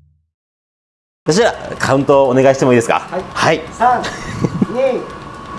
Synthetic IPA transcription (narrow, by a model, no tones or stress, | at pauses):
at̪aɕ̬iβakʰaɯ̟̃nt̪oːne̞ɡaiɕi̥temo̞iːd̪esɨ̥ka̰hai